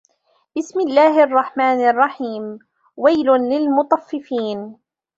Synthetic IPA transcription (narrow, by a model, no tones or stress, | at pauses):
b̥ɪsmɪlːaːhʔɑrˤːɑħmaːnɑrˤːɑħiːm | wajlʊnlɪlmʊt̪ˤɑfːɪfiːn